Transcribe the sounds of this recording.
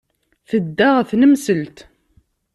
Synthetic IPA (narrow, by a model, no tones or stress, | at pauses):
θəd̪ːaʁθnəmsəlt̪